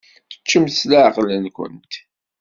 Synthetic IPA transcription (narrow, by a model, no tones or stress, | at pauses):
θə̥t͡ʃːəmslæʕqlənkʷə̰nt̪